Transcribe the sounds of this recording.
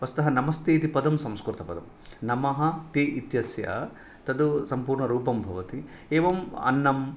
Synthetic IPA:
ʋɐsu̥t̪ɐɦɐnɐmɐst̪eːt̪ipɐd̪ɐmsɐmskɾut̪ɐpɐd̪ɐm | nɐmɐɦɐt̪eit̪jɐsjɐ̰ | t̪ɐd̪usɐmpuːɾɳɐɾuːpɐmbʱɐʋɐt̪i | eːʋɐmɐ̰nːɐm

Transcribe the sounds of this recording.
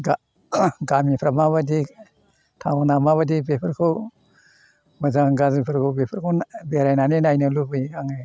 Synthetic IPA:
ɡa | ɡamipʰɾamaβadi | tʰawnamaβadibepʰɯɾkʰɯw | mɯzaŋɡazipʰɯɾkʰɯwbepʰɯɾkʰownbeɾajnaninajnɯlubɯjaŋɯ

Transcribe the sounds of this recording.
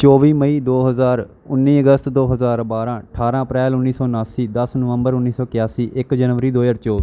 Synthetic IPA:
t͡ʃɔːʋiːməiːd̪oːɦəzaːɾ | ʊnːiːəɡəst̪d̪oːɦəzaːɾbaːɾãːəʈʰaːɾãːəpɾɛːlʊnːiːsɔːnaːsiːd̪əsnʊʋə̃mbəɾʊnːiːsɔːkɪjaːsiːʔɪkd͡ʒənʋəɾiːd̪oːjəɾt͡ʃɔːʋiː

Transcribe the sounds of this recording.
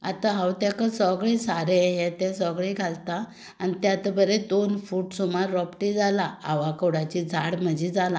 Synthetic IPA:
at̪aɦawt̪akəsəɡɭesaɾejet̪ɛsəɡɭeɡʱalt̪a | anit̪jat̪əbəɾed̪onfuːʈsumaɾːɔpʈid͡zalaaʋakəɽat͡ɕid͡zʱaɽm̤əd͡ʑid͡zalã

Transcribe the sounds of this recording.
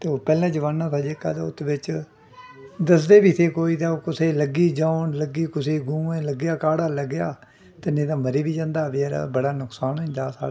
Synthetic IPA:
t̪eːoːpɛːlãːt͡ʃəʋaːnːãːt̪ʰaːd͡ʒekːa̰ːt̪aʊt̪ːbɪt͡ʃ | d̪əsd̪eːbiːt̪ʰeːkoːiːt̪ãːokʊseːləɡiːd͡ʒãːʊɳləɡiːkʊseːɡũːẽːləɡjaːkaːɽaːləɡːɪjaː | t̪enẽːt̪ãːməɾiːbiːd͡ʒãːnd̪aːʋeːɾ̰bəɽaːnʊksaːnɛ̃d͡ʒaːsa̰ːa

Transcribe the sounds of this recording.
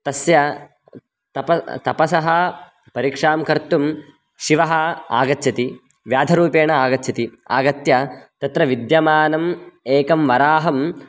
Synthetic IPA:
t̪ɐsjɐ | t̪ɐpɐt̪ɐpɐsɐɦɐ | pɐɾikʂaːmkɐɾt̪um | ʃiʋɐɦɐa̰ːɡɐtːt͡ʃʰɐt̪i | ʋjaːd̪ʱɐɾuːpeːɳɐaːɡɐtːt͡ʃʰɐt̪ia̰ːɡɐt̪jɐt̪ɐt̪ɾɐʋid̪jɐmaːnɐmeːkɐmʋɐɾaːɦɐm

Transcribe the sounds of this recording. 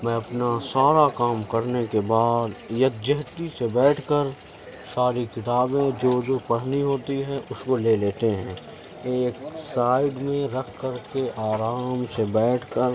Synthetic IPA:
mɛ̃ɐpnasaːɾakaːmkɐɾnekebaːd̪jɐk̪̚d͡ʒɐɦt̪isebɛːʈʰkəɾ | saːɾikɪt̪aːbẽd͡ʒoːd͡ʒoːpɐɽ̤niɦoːt̪iɦɛ̃ʔʊskoleːleːt̪eɦɛ̃ | eːksaːɪɖmẽɾɐkʰkəɾkeʔaːɾaːmsebɛːʈʰkəɾ

